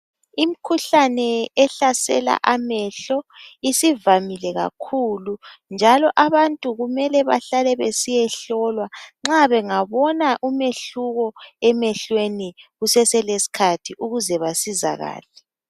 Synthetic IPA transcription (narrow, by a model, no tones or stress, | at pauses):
im̩kʰuɬanɛɛɬasɛ̰la̰ʔamɛɬɔisivamilɛɣa̰kʰulund͡ʒʱalɔʔaβantʼuɣumɛlɛβa̰ɬalɛβesijɛɬɔlwaŋ͡ǁaβɛŋaβɔnaʔumeɬuɣɔɛmɛɬweniɣusɛsɛlesi̥kʰatʰiʔuɣuzɛβasiza̰ɣa̰ːlɛ